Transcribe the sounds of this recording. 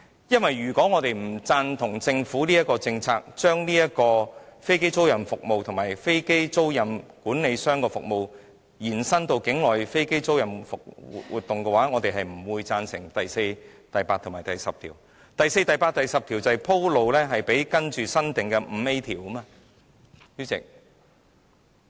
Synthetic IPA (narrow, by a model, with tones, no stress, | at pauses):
jɐ˥nwɐ˨jɥyː˨˩kɔː˨˥ŋɔː˨˧t̪e˨jm̩˨˩t͡saː˧nt̪ʰʊ˨˩ŋt͡sɪ˧ŋfuː˨˥liː˥jɐ˥t̚kːɔː˧t͡sɪ˧ŋt͡sʰaː˧k̚t͡ʃœː˥ŋliː˥jɐ˥t̚kɔː˧fe˥jke˥jt͡so˥wjɐ˨˩nfʊ˨k̚mo˨wt̪ʰʊ˨˩ŋmaː˨˩jfe˥jke˥jt͡so˥wjɐ˨˩nkuː˨˥nle˨˧jsœː˥ŋkɔː˧fʊ˨k̚mo˨w | jiː˨˩nsɐ˥nt̪o˧wkɪ˨˥ŋlɔː˨jfe˥jke˥jt͡so˥wjɐ˨˩nfʊ˨k̚wṵ˨t̚wṵː˨˩t̪ːʊ˨ŋkɛ˧waː˨˥ŋɔː˨˧t̪e˨jɦɐ˨˩jm̩˨˩wuː˨˧jt͡saː˧nsɪ˨˩ŋt̪ɐ˨jse˧jt̪ɐ˨jpaː˧t̪̚ʰmaː˨˩jt̪ɐ˨jsɐ˨p̚t̪ʰḭː˨˩w | t̪ɐ˨jse˧jt̪ɐ˨˩jpaː˧t̚t̪ɐ˨˩jsɐ˨p̚t̪ʰiː˨˩wt͡sɐ˨˩jpʰo˥wlo˨˧wlɛː˥ɦɐ˨jpe˨˥jkɐ˥nt͡ʃyː˨sɐ˥nt̪ɪ˨ŋkɛ˧m̩˨˧e˥jt̪ʰiː˨˩wɐ˥maː˧ | jyː˥t͡sɪ̰˨k̚